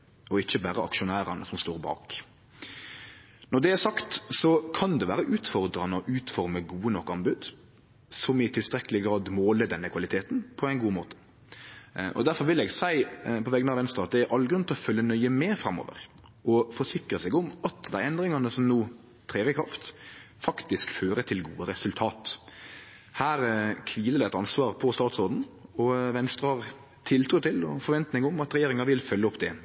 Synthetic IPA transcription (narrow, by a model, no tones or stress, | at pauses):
ɔɪçːəbæːɾəʔɑ̰kʃʊnæːɾɑnəsɔmst̪oːɾbɑ̰ːk | nɔd̪ɛæsɑkt̪sɔkʰɑnd̪ɛʋæːɾəʔʉːt̪fɔɾd̪ɾɑnəɔʔʉːt̪fɔɾməɡuːənɔkːɑnbʉd̪ | sɔmɪt̪ʰɪlst̪ɾɛkəlɪɡɾɑːd̪moːləd̪ɛnːəkʰʋɑlɪt̪ʰeːt̪n̩pʰɔæɪnɡuːəmoːt̪ə̥ | ʔɔ̰d̪æɾfɔɾʋɪlɛɡsæɪpʰɔʋɛɡənɑʋɛnst̪ɾəɑt̪̚d̪ɛæɾʔɑlːɡɾʉnt̪ʰlɔfœlːənœʏəmɛːfɾɑmɔ̰ːʋə̰ɾ | ʔɔfɔʂɪkɾəsɛɡɔmɑt̪d̪æɪɛnd̪ɾɪŋɑnəsɔmnuː | t̪ʰɾeːʋəkʰɾɑft̪ | fɑkt̪ɪskføːɾət̪ʰɪlɡṵːəɾɛsʉlt̪ʰɑːt̪ | hæːɾkʰʋiːləd̪æɛt̪ɑnsʋɑːʁpʰɔst̪ɑːt̪sɾoːd̪n̩ɔʋɛnst̪ɾəɑʁ | t̪ʰɪlt̪ʰɾuːt̪ʰɪlɔ̰fɔɾʋɛnt̪nɪŋʊmɑt̪ɾɛjeːɾɪŋɑʋɪlfœlːəɔpd̪ɛ